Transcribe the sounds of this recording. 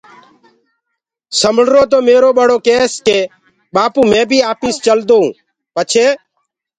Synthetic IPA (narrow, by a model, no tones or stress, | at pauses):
səməɽɾoːt̪oːmeːɾoːɓəɽoːkeːskeː | ɓaːpuːmẽːbʱiːaːpiːst͡ʃəld̪oːɦũː | pət͡ʃʰeː